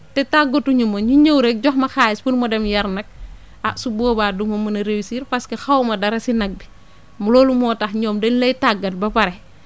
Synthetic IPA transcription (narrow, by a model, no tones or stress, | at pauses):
tɛtaɡotːuɲumoɲuɲəwɾɛk̚ɟɔxmɐxaːjɛspunmɔdɛmjɐɾnɐk̚ | asubɔːbaːdumɐmunɐɾewisiːɾpɐskexɐwmɐdɐɾɐsinɐk̚bi | mulɔːlumɔːtaxɲɔːmdɛnlɐjtaɡːɐt̚bɐpɐɾɛ